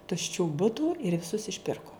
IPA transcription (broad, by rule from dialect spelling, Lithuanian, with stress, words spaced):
tʊʃʲˈt͡ʃʲuː ˈbʊtuː ɪr ʋʲɪˈsʊs ɪʃʲˈpʲɪrkoː